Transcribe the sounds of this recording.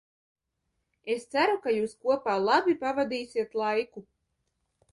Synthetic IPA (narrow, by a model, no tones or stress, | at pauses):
est̪sæɾukajuːskuɔpaːlˠabʲipavad̪iːsʲiɛt̪lˠajku